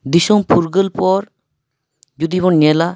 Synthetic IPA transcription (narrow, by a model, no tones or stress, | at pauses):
d̪isɔŋpʰuɾɡəlpɔɾ | d͡ʒud̪ibɔɲɛla